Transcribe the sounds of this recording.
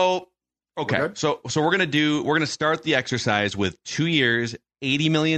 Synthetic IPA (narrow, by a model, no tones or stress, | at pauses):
oʊ | oʊkʰḛɪsoʊsoʊwɪɹɡʌñɨdɨwɪɹɡʌnɨstɑɹt̪̚ðiɛksə˞saɪzwɪð̥tʰʉjɪɹz | eɪɾimɪlˠjɨ̃